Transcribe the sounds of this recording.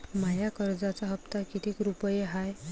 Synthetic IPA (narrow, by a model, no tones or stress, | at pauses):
majakəɾd͡zat͡saɦəpt̪akit̪ʰiːkɾupəjeɦaj